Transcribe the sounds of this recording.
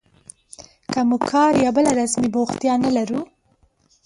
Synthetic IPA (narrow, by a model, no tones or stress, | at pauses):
kamukʰɑɾjɑbəlaɾasmiboxt̪jɑnalaɾu